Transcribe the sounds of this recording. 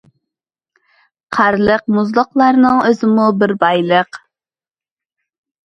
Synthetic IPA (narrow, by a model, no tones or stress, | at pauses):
qʰæɾlˠəqmʊzlˠʊqlˠɑɾnɨŋøzɪmubɪɾbɑjlˠəq